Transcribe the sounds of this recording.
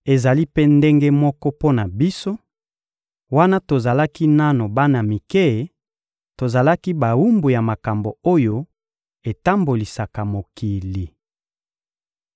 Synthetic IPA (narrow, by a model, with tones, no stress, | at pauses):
e˨za˨li˦pe˦nde˦ŋɡe˦mɔ˦kɔ˦po˦na˨bi˦so˦ | wa˦na˦to˨za˨la˦ki˦na˦no˨ba˦na˨mi˨ke˦˨ | to˨za˨la˦ki˦ba˨wu˦mbu˨ja˨ma˨ka˨mbo˨o˦jo˦ | e˨ta˦mbo˨li˨sa˨ka˨mo˨ki˨li˨